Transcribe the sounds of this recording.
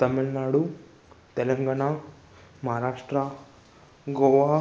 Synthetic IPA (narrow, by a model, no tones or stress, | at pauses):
t̪ɐmilnaːɽu | t̪ɛlɐŋɡaːɳa | mɐɦaɾaːʂʈɾɐ | ɡɔːʋaː